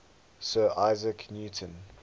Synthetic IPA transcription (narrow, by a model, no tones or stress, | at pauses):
sɜːʔaɪzəkʰnjuːtʰə̃n